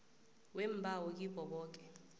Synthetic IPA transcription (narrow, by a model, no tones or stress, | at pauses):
wem̩bʱawɔk̬ʼib̥ʼʱɔɓɔːk̬ʼɛ